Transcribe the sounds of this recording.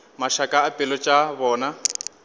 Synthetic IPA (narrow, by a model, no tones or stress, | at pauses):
maʃakʼaːpʼɪlɔt͡ʃʼaβɔːna